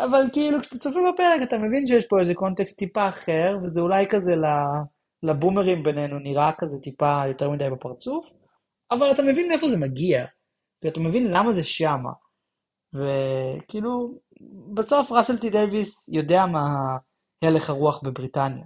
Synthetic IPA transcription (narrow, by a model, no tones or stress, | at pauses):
ʔavalkeilukʃt̪at͡sofibape̞ʁekatame̞vinʃ̬ejeʃpo̞ezeko̞nt̪e̞kst̪ːipaːχe̞ʁve̞zeulajkaze̞la | labumeʁimbe̞nenuniʁakazetipajo̞te̞ʁmidajbepaʁt͡suf | avalatamevinmefo̞ze̞maɡia | kiluatame̞vinlamaze̞ʃama̰ | vekilu | beso̞fʁaselt̪id̪ejvisjo̞deama | hele̞χaʁuaχbe̞bʁitanja̰